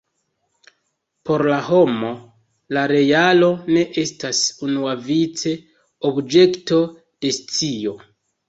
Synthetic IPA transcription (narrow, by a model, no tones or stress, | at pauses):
po̞ɾlaɦo̞mo̞ | laɾe̞jalo̞ne̞ʔe̞stasunuavit͡se̞ | obd͡ʒe̞kto̞ | d̥e̞st͡sio̞